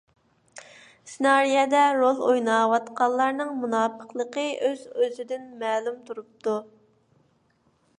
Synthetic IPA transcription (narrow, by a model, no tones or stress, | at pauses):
sɪnɑɾijɛd̪ɛɾolˠojnɑwɑt̪qɑlˠːɑɾnɨŋmunɑːpʰəqlˠəqəøzøzɪd̪ɪnmɛːlumt̪ʰuɾup̚t̪u